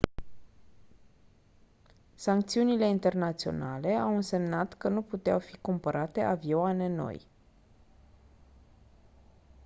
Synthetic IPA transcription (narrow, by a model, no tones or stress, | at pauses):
saŋkt̪siunile̞int̪e̞rnat̪sio̞̰nale̞awɨnse̞mnat̪kənuput̪ea̰wfikumpəɾʔat̪e̞ʔavioane̞no̰j